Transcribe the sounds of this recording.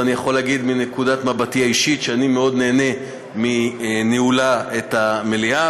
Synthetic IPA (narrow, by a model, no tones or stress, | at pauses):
anijaχo̞laɡid̪minekudat̪mabatiaiʃitʃeanimeo̞d̪ne̞ːne̞ | mineulaet̪amelia